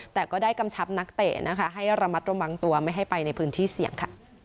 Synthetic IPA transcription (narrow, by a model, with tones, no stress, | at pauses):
t̪ɛː˨˩kɔː˥˩daː˥˩jka˧mt͡ɕʰa˦˥p̚na˦˥k̚t̪eː˨˩nʔa˦˥kʰa˦˥ɦa˥˩jɾa˧ma˦˥t̪̚ɾa˧wa˧ŋt̪u˧ɐma˥˩jɦa˥˩jpa˧jna˧jpʰɯː˦˥nt̪ʰiː˥˩si˨˩əŋkʰa̰˥˩